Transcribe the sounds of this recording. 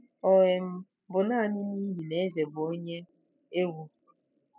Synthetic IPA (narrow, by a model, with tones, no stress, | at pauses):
o˨ɣe˨m̩˦ | bʊ˨na˦˨nɪ˦ni˦ɦi˨ne˨˦ze˨bʊ˨o˦ɲe˦ | e˦ɡʷu˦